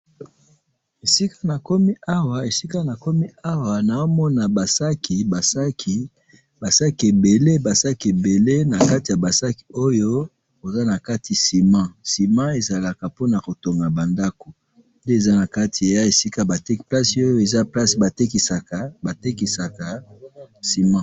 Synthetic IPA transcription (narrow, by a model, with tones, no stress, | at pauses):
e˨si˦ka˦na˨kɔ˦mi˦ʔa˦wa˨e˨si˦ka˦na˨kɔ˦mi˦a˦wa˨na˨o˦mɔ˦na˨ba˨sa˦ki˨ba˨sa˦ki˨ | ba˨sa˦ki˨e˨be˨le˦ba˨sa˦ki˨e˨be˨le˦na˨ka˦ti˨ja˨ba˨sa˦ki̥˨o˦jo˦ | ko˨za˦na˨ka˦ti˨si˨mã˦si˨mã˦e˨za˨la˨ka˨po˦na˨ko˨to˨ŋɡa˨ba˨nda˦ko˨ | nde˦e˨za˦na˨ka˦tʰi˨ja˦e˨si˦ka˦ba˨te˦kpla˦si˦o˦jo˦e˨za˦pla˦si˨ba˨te˦ki˨sa˨ka˨ba˨te˦ki˨sa˨ka˨ | si˨mã˦